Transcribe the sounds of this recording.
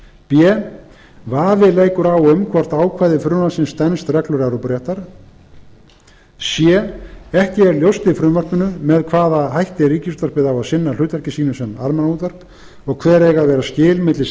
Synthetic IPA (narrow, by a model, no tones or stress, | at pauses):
pjɛ | vaːvɪleːjkʏɾaːwʏmkʰvɔr̥t̪aːwkʰvaːjðɪfɾʏnvansɪnst̪ɛnst̪rɛklœɾaɾɔpɾɛht̪aɾ̥ | sjɛɛhcɪɛɾljowst̪ɪfɾʏmvœr̥pʏnʏmɛðkʰvaːðaɦajht̪ɪriːcɪst̪vœr̥pɪðawaðsɪnːal̥ʏːt̪vɛɾ̥cɪsiːnʏsɛma̰ɾmɛnauːt̪vœr̥p | ɔɣkʰvɛːɾɛɣaðvɛːɾascɪːlmɪt̪lɪ